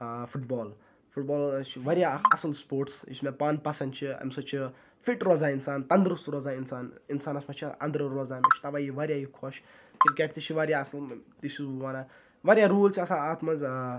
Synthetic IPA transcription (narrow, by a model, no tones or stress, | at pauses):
fuʈbɔːl | fuʈbɔːlt͡ʃʰiʋɐɾjaɐ̰sɐlspoːɾʈsḭsmepaːnpɐsɐnt͡ʃʰiɐ̰msɐt͡ʃʰi | fiʈɾɔzaːinsaːnt̪ɐnd̪ɾust̪ɾɔːzaːninsaːninsaːnɐsmɐt͡ʃʰiɐ̰nd̪ɾəɾɔzaːmet͡ʃʰi̥t̪ɐʋaːjiʋɐɾʲjajikʰɔʃ | kɾkeʈt̪it͡ʃʰiʋɐɾʲjaɐsɐlt̪it͡ʃibuʋaːna | ʋɐɾjaɾuːlt͡ʃʰiɐsãaːt̪mɐz